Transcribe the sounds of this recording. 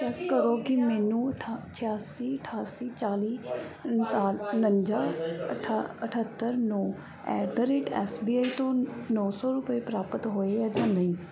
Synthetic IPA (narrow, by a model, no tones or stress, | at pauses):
t͡ʃɛːkːəɾoːkɪmɛːnũːʈʰt͡ʃʰɪjaːsiːəʈʰaːsiːt͡ʃaːliː | nəɲd͡ʒaːʈʰəʈʰət̪ːəɾnõː | ɛ̰ːɾd̪əɾeːʈɛ̰ːsbiːaːiːt̪õːnɔːsɔːɾʊpəeːpɾaːpət̪ɦoːeːɛːd͡ʒãːnd̪aĩː